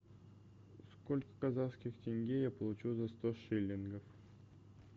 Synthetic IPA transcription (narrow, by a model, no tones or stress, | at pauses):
skolʲkə̥kazaskʲɪxtʲenʲɡʲejapəlˠut͡ɕuzast̪oʂelʲːɪnɡəf